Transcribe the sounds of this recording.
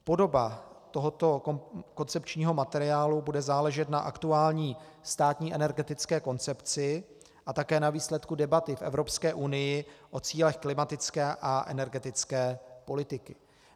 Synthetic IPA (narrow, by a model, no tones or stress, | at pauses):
po̞do̞bat̪o̞ɦo̞t̪o̞ko̞nt͡sɛpt͡ʃɲiːɦo̞mat̪ɛɾɪjaːlubudɛzaːlɛʒɛt̪naʔakt̪uaːlɲiː | st̪aːt̪ɲiːʔɛnɛɾɡɛt̪ɪt͡skɛːko̞nt͡sɛpt͡sɪ | ʔat̪akɛːnaviːslɛt̪kudɛbat̪ɪfʔɛ̰vɾo̞pskɛːʔunɪjɪʔo̞t͡siːlɛxklɪmat̪ɪt͡skɛːʔaʔɛ̰nɛɾɡɛt̪ɪt͡skɛːpo̞lɪt̪ɪkɪ